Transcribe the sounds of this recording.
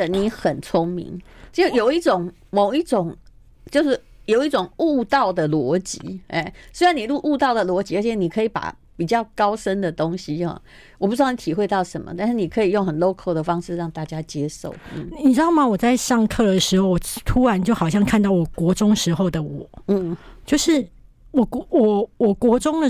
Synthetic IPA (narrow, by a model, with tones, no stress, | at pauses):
ə˨ni˧˥xə˨˩nt͡sʰʊ˥ŋmḭ˧˦ŋt͡ɕjo˨˩ʊi˥˩ʈ͡ʂʊ˨˩˦ŋ | mo˨˩ʊi˥˩ʈ͡ʂʊ˨˩˦ŋ | t͡ɕjo˥˧ʊʂɻ̩˥˩ | jo˨˩ʊi˥˩ʈ͡ʂʊ˨˩ŋu˥˧t̪ɑ˥˩ʊd̪ə˩lwɔ˧˥t͡ɕḭ˧˥e˥˩swɪɻa˧˥ni˨˩lu˥˧ʔu˥˧t̪ɑ˥˩ʊd̪ə˨lwɔ˧˥t͡ɕi˧˥ə˞˧˥t͡ɕʰɛ˨˧˥ni˨˩kʰɤ˧˥i˨˧˦pa̰˨˩ | pi˨˩t͡ɕjɑ˥˩ʊkɑ˥ʊʂə˦nd̪ə˨t̪o˥ŋɕi˧hɑ̰˧˩ | wɔ˨˩pu˧˥˧ni˧˩t̪ʰi˨˩xwe˥˧ɪt̪ɑ˥˩ʊʂə˧˦˥nmə̰˨t̪a˥˧nʂɻ̩˥˩ni˨˩kʰɤ˧˥i˨˩jo˥˩ŋxə˨˩nlo˥ʊkʰo˥˩ʊd̪ə˩fɑ˥ŋʂɻ̩˥˧ɻɑ˥˧ŋt̪a˥˩t͡ɕja˥t͡ɕjɛ˥ʂo̰˥˩ʊn̩˥˩ni˨˩ʈ͡ʂɻ̩˥d̪ɑ˥˩ʊmɐ˨wɔ˨˩t͡sa˥˧ɪʂɑ˥˧ŋkʰɤ˥˩d̪ə˩ʂɻ̩˧˥xo˥˩˧ʊwɔ˨˩t̪ʰu˥ɻa˧˦nt͡ɕjo˥˩ʊxɑ˨˩ʊɕjɑ˥˧ŋkʰa˥˧nt̪ɑ˥˩ʊwɔ˨˩kwɔ˧˥ʈ͡ʂʊ˥ŋʂɻ̩˧˥xo˥˧ʊd̪ə˩wɔ˨˩˦n̩˥˩t͡ɕjo˥˧ʊʂɻ̩˥˩ | wɔ˨˩kwɔ˨˩wɔ˨˩kwɔ˧˥ʈ͡ʂʊ˥ŋd̪ə˨